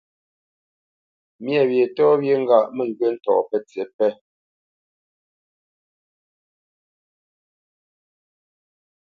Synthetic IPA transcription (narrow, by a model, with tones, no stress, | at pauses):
mjɛ˨βje˨tɔ˦βje˦ŋ̩˦ɡa˦˨ʔmɛ˨ŋ˨kwe˦n̩˦tɔ̰˨ʔpɛ˦t͡se˨˦pɛ˦